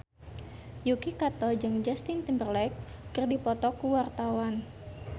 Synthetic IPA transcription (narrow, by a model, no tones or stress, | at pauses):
jukikat̪ɔd͡ʒɨŋd͡ʒast̪int̪imbərlɛk̚ː | ɨrdipɔt̪ɔkuwart̪awan